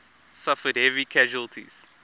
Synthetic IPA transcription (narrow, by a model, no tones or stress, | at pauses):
safədhɛvikʰɛʒuəlˠtʰḭz̥